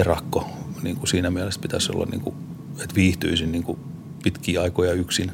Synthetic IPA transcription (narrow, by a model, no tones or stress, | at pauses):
erɑkːoniːŋkusiːnæmiælespit̪æso̰lːɑ̰nḭŋkṵ | et̪ʋiːht̪yisinniːŋku | pit̪kiːɑikojɑyksin